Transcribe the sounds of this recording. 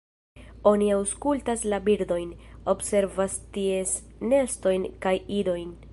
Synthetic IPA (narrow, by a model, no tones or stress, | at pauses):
o̞niawskultaslabiɾd̪o̞jno̞bse̞ɾvastie̞sne̞sto̞jnkajido̞jn